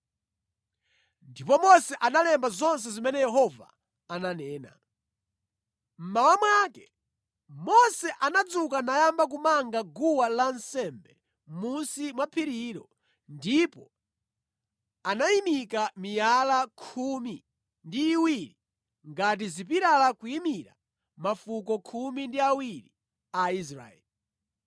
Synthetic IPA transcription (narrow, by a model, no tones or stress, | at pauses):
ndipɔmɔsɛʔanalɛmbazɔns̬ɛzimɛnɛjɛɦɔva̰ː | nanɛːna̰ | m̩mawamwakɛ | mɔsɛʔanad͡zukanajambak̬umaŋɡaɡuwalansɛmbɛ | munsimwapʰiɾiɾɔ | ndipɔ | anajimikamijalakʰumi | ndiːwiɾi | ŋɡat̬izip̬iɾalakujimiɾa̰ | mafukɔkʰumindiawiɾi | ais̬ɾa̰ɛ̰li